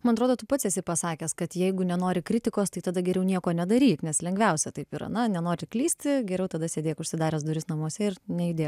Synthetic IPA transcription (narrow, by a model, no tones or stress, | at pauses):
mɐnɐt̪ɾoːd̪oːt̪ʊpɐt̪sʲɛsʲɪpɐsɑːkʲɛskɐt̪jɛɪɡʊnʲɛnoːɾʲɪkɾʲɪt̪ʲɪkoːst̪ɐɪt̪ɐd̪ɐɡʲɛɾʲɛʊnʲiɛkoːnʲɛd̪ɐɾʲiːknʲɛslʲɛŋɡʲʋʲɛʊsʲɛt̪ɐɪpiːɾɐ̰nɐnʲɛnoːɾʲɪklʲiːsʲt̪ʲɪɡʲɛɾʲɛʊt̪ɐd̪ɐsʲeːd̪ʲeːkʊʃʲsʲɪd̪ɑːɾʲɛsd̪ʊɾʲɪsnɐmuɔsʲɛɪrnʲɛjɪd̪ʲeː